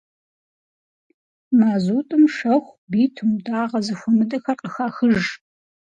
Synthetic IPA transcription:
maːzuːtʼɨmʂɐxʷbiːtʰɨmudaːʁɐzɨxʷʊmɨdɐxɐrqʼəxaːxɨʒ

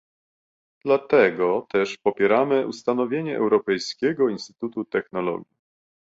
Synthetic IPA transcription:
d̪̥lat̪ɛɡɔt̪ɛʂpɔpʲjɛɾamɘʔṵst̪anɔvʲjeɲɛʔɛ̰wɾɔpɛjskʲɛɡɔinst̪ɘ̥t̪ut̪ut̪ɛxnɔlɔ̰ɡʲji

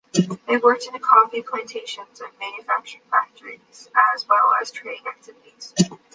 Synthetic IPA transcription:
ðeɪwɜ˞k̚tɨ̃nɨkʰɑfipʰl̥æ̃ntʰeɪʃɨ̃nzʌvmæ̃njɨfæk̚t͡ʃə˞ɪ̃ŋfæk̚tʰə˞iz̥əzwɛlˠə̰z̥tʰɹ̥eɪɾɪ̃ŋæk̚tʰɪvɨɾiz̥

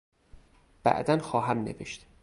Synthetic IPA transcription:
b̥æ̰ʔd̪ænxɒːɦæmnḛveʃt̪

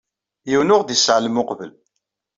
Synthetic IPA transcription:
jiwnʊʁd̪isʕləmʊqvə̰l

